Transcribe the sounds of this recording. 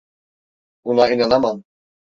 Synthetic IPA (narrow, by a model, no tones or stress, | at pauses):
unɑinɑnɑmɑn